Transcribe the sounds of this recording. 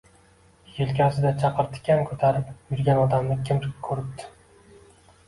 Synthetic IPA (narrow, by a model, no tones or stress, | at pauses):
jɪlˠkʲasɪd̪at͡ʃʰɑqɨɾt̪ʰɪ̥kʲʰankʰɵt̪ʰaɾɪpjʊɾɡʲanɒd̪amnɪkʲʰɪmkʰːɵɾɪp̚d̪ʰɪ̥